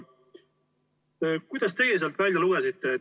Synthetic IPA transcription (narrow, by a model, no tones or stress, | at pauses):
kujd̪̥ɑs̬t̪e̞ɡelis̬elt̪vælʲjɑluɡ̥e̞sit̪ːˑe̞